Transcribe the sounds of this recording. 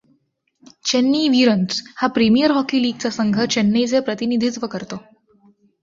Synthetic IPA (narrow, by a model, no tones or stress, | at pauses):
t͡ɕenːiːʋiɾənshapɾimijəɾɦɔkiːliːɡ̚t͡sasəŋɡʱət͡ɕenːiːd͡zepɾət̪inid̪ʱit͡sʋəkəɾt̪o